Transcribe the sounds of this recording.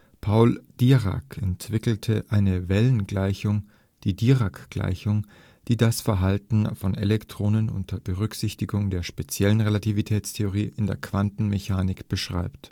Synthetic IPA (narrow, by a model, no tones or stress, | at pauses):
pʰaʊld̥iʁa̰kʰɛntv̥ɪkl̩tʰəʔaɪnəvɛlənɡlaɪçʊŋ | d̥iːdiːʁakɡ̥la̰ɪçʊŋ | d̥iːdasfɛɐɦaltn̩fɔnelɛktʁ̥oːnənʊ̰ntdɐb̥əʁʏkz̥ɪçtɪɡʊŋdeːɐʃpet͡sjɛlənʁelativitʰɛːt͡stʰeoʁ̞iːʔɪndeːɐkv̥antn̩meçaːnɪkb̥əʃʁ̥a̰ɪpt